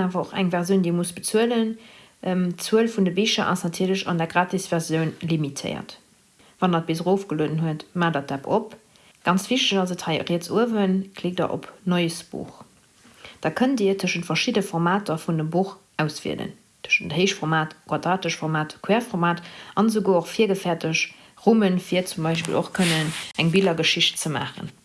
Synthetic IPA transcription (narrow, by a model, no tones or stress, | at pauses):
aːvɐoχæ̰ŋvɛʁzjəʊndiːəmusb̥ət͡suələn | ʔmt͡suəlfundəbiʃɐʔɑ̰snɑtʰiːɐləɕɑ̰ndɛːɐɡʁaːtisv̥ɛʁzjəʊnlimitʰə̰ɪɐ̰t | vɑndɑt̚b̥izəʁoʊfɡ̥əloːdənɦuətmaːdaːt̚d̥æpo̰p | ɡ̥ɑnt͡sv̥iʃtəʃɑzəthɑɪʁiːət͡suəvənkʰleːk̚do̰ːʔo̰pnoɪəsb̥ṵːχ | d̥aːkʰəndiːəɐtʰəʃəntfɐʃidəfoʁmaːtɐfundəmbuχ | æʊsv̥ḭə̰də̰n | tʰəʃəntəhəɪʃtfoʁmaːtɡ̥wɑdʁaːtəʃfoʁmaːtkʰwɛːɐfoʁmaːtɑnzəɡoːoχfiːɐɡəfɛːɐtəʃ | ʁumənfiɐt͡sumbɑɪʃpḭlo̰χkʰənənæŋbilɐɡəʃiʃt̚t͡səma̰ːχə̰n